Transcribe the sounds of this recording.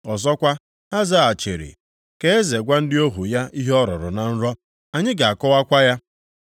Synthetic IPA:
ɔ˨zɔ˦kʷa˦ | a˦za˦˨a˨t͡ʃḛ˨ɾḭ˨ | ke˦e˦ze˨ɡʷa˦n̩˦dɪ˦o˦ɦu˨ja˦i˦ɦɔ˦ɾɔ̰˨ɾʊ̰˨na˨n̩˦ɾɔ˦ | a˨ɲɪ˦ɡa˨a˨kɔ˦wa˦kʷa˦ja˦

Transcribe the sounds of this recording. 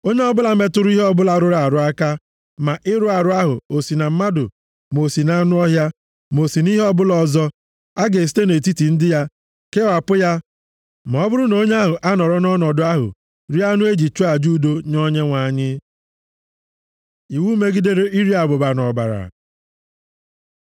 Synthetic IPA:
o˦ɲe˦ɔ˦bʊ˦la˨me˦tʊ˦ɾʊ˦i˦ɦɔ˦bʊ˦la˨ɾʊ˦ɾa˨ɾʊ˨a˦ka˦ | ma˨ʔɪ˦ɾʊ˦a˨ɾʊ˦a˦ɦʊ̰˨o˨si˨na˨m̩˦ma˦dʊ̰˨ | m˨o˨si˨na˨˦nʊ˦ɔ˦ɦja˦ | m˨o˨si˨ni˦ɦe˦ɔ˦bʊ˦lɔ˨zɔ˦ | a˦ɡe˨s̬i̥˦te˦ne˨t̬i˦ti˨n̩˦dɪ˦ja˦ | ke˦wa˨pʊ˦ja˦ | ma˨ɔ˦bʊ˦ɾʊ˦no˦ɲ˦a˦ɦʊ˨ʔa˦nɔ˨ɾɔ˦nɔ˦nɔ˨dʊ˦a˦ɦʊ̰˨ | ɾi˦a˦nʊ˦e˦d͡ʒi˨t͡ʃo˦a˨d͡ʒu˦do˦ɲɔ˦ɲe˦ŋʷa˨˦˨ɲɪ˦ | i˨wuː˦me˦ɡi˦de˦ɾe˦ʔi˦ɾi˦a˨bʊ˨ba˨nɔ˨ba̰˨ɾa̰˨

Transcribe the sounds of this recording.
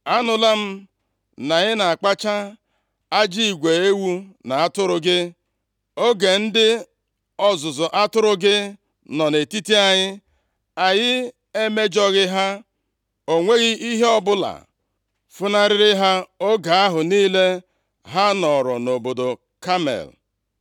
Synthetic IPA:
a˦nʊ˨la˦m̩˦ | na˨ɲɪ˦na˨a˨k͡pa˦t͡ʃa˦ | a˦d͡ʒi˦i˨ɡʷe˨e˦wu˦na˨a˦tʊ˦ɾʊ˦ɡɪ˦ | o˦ɡe˨n̩˦dɪ˦ | ɔ˨zʊ˨zʊ˨ʔa˦tʊ˦ɾʊ˦ɡɪ˦ | nɔ˨ne˨ti˦ti˦a˨ɲɪ˦ | a˨jɪ˦ | e˦me˦d͡ʒɔ˦ɣɪ˦ɦa˦ | o˨ŋʷe˦ɣɪ˦ʔi˦ɦe˦ɔ˦bʊ˦la̰˨ | fʊ˦na˦ɾɪ˦ɾɪ˦ɦa˦o˦ɡa˨a˦ɦʊ˨niː˦le˦ | ɦa˦nɔ˨ɾɔ˨no˨bo˨do˨ | ka˦mḛ˨l

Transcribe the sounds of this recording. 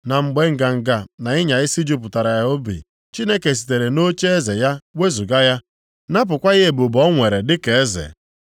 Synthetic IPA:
na˨ŋ͡m̩˨ɡ͡be˨ŋ̩˨ɡa˨ŋ̩˨ɡa˨na˨ɪ˦ɲa˨ɪ˦si˦d͡ʒu˦pʊ˨ta˨ɾa˨ja˨˦o˦bḭ˨ | t͡ʃi˦ne˦ke˨s̬i̥˨te˨ɾe˨no˦t͡ʃe˦e˦ze˨ja˦we˦zu˨ɡa˦ja˦ | na˦p̬ʊ˨kʷa˦ɣe˦e˨bu˨bɔ˦ŋʷe˨ɾe˨dɪ˦ke˨e˦zḛ˨

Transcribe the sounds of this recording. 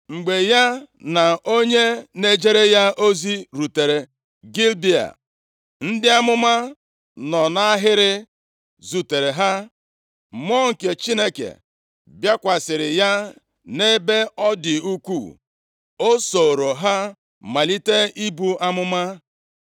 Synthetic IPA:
ŋ͡m̩˨ɡ͡be˨ja˦na˨ʔo˦ɲe˦ne˦d͡ʒe˦ɾe˦ja˦ʔo˦zi˦ɾu˨te˨ɾe˨ | ɡi˦lbi˦a̰˨ | n̩˦dɪ˦a˦mʊ˦ma˦ | nɔ˨na˦ɦɪ˦ɾɪ˦ | zu˨te˨ɾe˨ɦa˦ | m˦ɔ˦ŋ̩˨ke˨t͡ʃi˦ne˦kḛ˨ | bja˦kʷa˨sɪ˨ɾɪ˨ja˦ | ne˦be˦ɔ˦dɪ˨u˦kʷṵ˦˨ | o˦so˨ɾo˨ɦa˦ | ma˨li˦te˦i˦bu˦ʔa˦mʊ˦ma˦

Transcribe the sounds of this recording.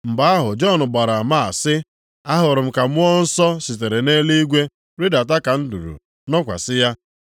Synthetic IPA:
m̩˨ba˦a˦ɦʊ˨d͡ʒɔ˦˨nʊ˨ɡ͡ba˨ɾa˨ma˦˨a˨sɪ˦ | a˦ɦʊ˨ɾʊ˨m̩˦ka˨m̩˦ɔ˦n̩˦sɔ˦si˨t̬e˨ɾe˨ne˦li˦ɡʷe˦ | ɾi˦da˨t̬a˦ka˨n̩˦du˨ɾṵ˨ | nɔ˦kʷa̰˨sɪ˦ja˦

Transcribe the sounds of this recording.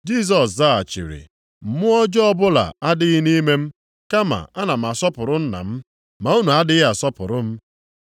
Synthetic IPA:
d͡ʒi˦˨s̬ɔ˨s̬za˦a̰˨t͡ʃḭ˨ɾḭ˨ | m̩˨mʊ˦ɔ˦d͡ʒɔ˦bʊ˦la̰˨a˦dɪ˦ɣɪ˦ni˦me˦m̩˦ | ka˦ma̰˨a˦na˨m̩˨a˨sɔ˦pʊ˨ɾʊ˦n̩˦na̰˨m̩˦ | ma˨u˦nu˨a˦dɪ˦ɣɪ˦a˨sɔ˦pʊ̰˨ɾʊ˦m̩˦

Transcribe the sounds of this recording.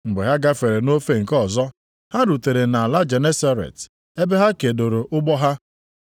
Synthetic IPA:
ŋ͡m̩˨ɡ͡be˨ɦa˦ɡa˦fe˨ɾe˨no˦fe˦ŋ̩˨kɔ˨zɔ˦ | ha˦ɾu˨te˨ɾe˨na˨la˦d͡ʒe˨ne˦sa˦ɾḛ˨t | e˦be˦ɦa˦ke˨do˨ɾo˨ʔʊ˦ɡ͡bɔ˦ɦa˦

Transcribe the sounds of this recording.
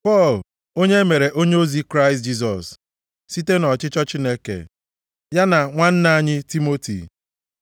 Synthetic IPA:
pɔ˦˨l | o˦ɲe˦me˨ɾe˨ʔo˦ɲe˦o˦zi˦kɾa˦ɪ˨st̚d͡ʒi˦s̬ɔ̰˨s | si˦te˦nɔ˨t͡ʃɪ˦t͡ʃɔ˦t͡ʃi˦ne˦kḛ˨ | ja˦na˨ŋʷa˦n̩˦na˦a˦ɲɪ˦ti˦mo˦tḭ˨

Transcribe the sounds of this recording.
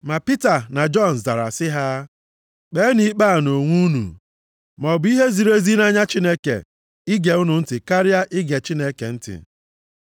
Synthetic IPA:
ma˨pi˦ta˨na˨d͡ʒɔ˦˨n̩˨za˨ɾa̰˨sɪ˦ɦa˦ | k͡pe˦ni˦k͡pa˦˨no˨ŋʷu˦nṵ˨ | mɔ˨bi˦ɦe˦zi˨ɾe˦zi˦na˦ɲa˦t͡ʃi˦ne˦kḛ˨ | ɪ˦ɡe˨ʊ˦nʊ˨n̩˦tɪ˨ka˦ɾɪ˦a˦ʔɪ˦ɡe˨t͡ʃi˦ne˦kḛ˨n̩˦tɪ̰˨

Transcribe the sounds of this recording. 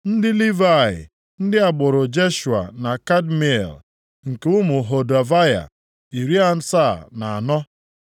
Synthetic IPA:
n̩˦dɪ˦li˦va˦˨ɪ̰˨ | n̩˦dɪ˦a˨ɡ͡bʊ˨ɾʊ˨d͡ʒe˦ʃu˨a̰˨na˨ka˦dmi˨˦ḛ˨l | ŋ̩˨kʊ˦mʊ˨ɦo˨da˨va˦ja̰˨ | i˨ɾi˦a˨n̩˦sa˦˨na˨a˨nɔ˦

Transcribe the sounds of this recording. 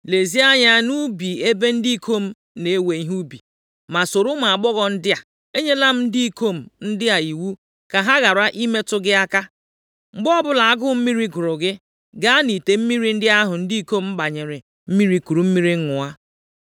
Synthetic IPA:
le˨zi˦a˦ɲa˦nu˦bi˨e˦be˦n̩˦di˦˨kʰo˦˨m̩˦ | ne˨e˦we˨i˦ɦu˦bi˨ | ma˨so˨ɾʊ˦ma˨a˨ɡ͡bɔ˦ɣɔ˨n̩˦dɪ˦a˨ | e˦ɲe˦la˦m̩˦n̩˦di˦i˦˨ko˦˨m̩˨n̩˦dɪ˦a˨i˨wu˦ | ka˨ɦa˦ɣa˨ɾa˦ʔi˦me˦tʊ˦ɡɪ˦a˦ka˦ | ŋ͡m̩˨ɡ͡bɔ˦bʊ˦la˨a˦ɡʊ˦m̩˦mi˦ɾi˦kʊ˨ɾʊ˨ɡɪ˦ | ɡa˦ni˨te˨m̩˦mi˦ɾi˨n̩˦dɪ˦a˦ɦʊ˨n̩˦di˦i˦ko˦m̩˦m̩˦ɡ͡ba˨ɲe˨ɾɪ˨ | m̩˦mi˦ɾi˦ku˨ɾu˨m̩˦mi˦ɾi˦ŋ̩˦ŋʊ˨a˦

